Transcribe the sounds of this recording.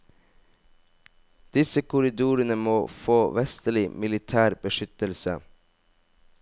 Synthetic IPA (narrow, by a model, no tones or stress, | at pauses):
d̪̥ɪsəkʰʊɾɪd̪uːɾənəmoːfoːʋɛst̪əɭɪmɪlɪt̪ʰæːɾbəʃʏt̪əlsə̰